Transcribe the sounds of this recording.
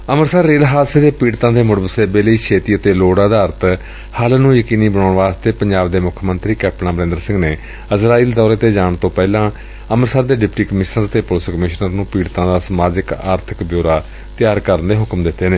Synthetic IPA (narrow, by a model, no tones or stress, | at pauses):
əməɾsaːɾːeːlɦaːseːd̪eːpiːɽt̪ãːd̪eːmʊɽəbəseːbeːləiːkʰeːt̪iːət̪eːloːɽaːd̪aːɾt̪ | həlnũːjəkiːniːbəɳ̃oːɳʋaːst̪eːpəɲd͡ʒaːbd̪eːmʊkʰmənt̪ɾiːkɛːpnãːbəɾẽnd̪əɾsɪ̃ŋɡneː | əzɾaːiːld̪ɔːɾeːt̪eːd͡ʒaːɳt̪õːpɛːlãː | əməɾsaːɾd̪eːɖɪpʈiːkəmɪʃnəɾət̪eːpolɪskəmɪʃnəɾnũːpiːɽt̪ãːd̪aːsəmaːd͡ʒəkaːɾt̪ʰəkbjoːɾaː | t̪ɪjaːɾkəɾənd̪eːɦʊkmd̪ɪt̪ːeːneː